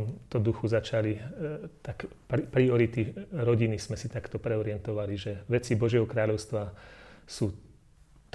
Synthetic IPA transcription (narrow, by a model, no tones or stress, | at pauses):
mt̪ɔd̪uxuzat͡ʃalit̪akppɾiɔɾit̪iɾɔɟinizmɛsit̪akt̪ɔpɾɛɔɾɪɛnt̪ɔʋaliʒɛʋɛt͡sibɔʒɪɛɦɔkɾaːʎɔʊst̪ʋasuː | t̪